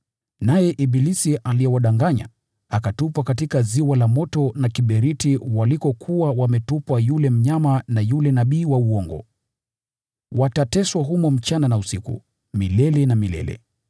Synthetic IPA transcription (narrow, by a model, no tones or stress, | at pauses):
najɛʔibilisiʔaliɛwaɗaŋɡaɲa̰ | akatupwakatikaziwalamɔtɔnakiɓɛɾitiwalikɔkʰuawamɛtupwajulɛm̩ɲamanajulɛnaɓiːwauɔŋɡɔ̰ | watatɛswaɦumɔm̩t͡ʃananausikṵ | milɛlɛnamilɛ̰lɛ̰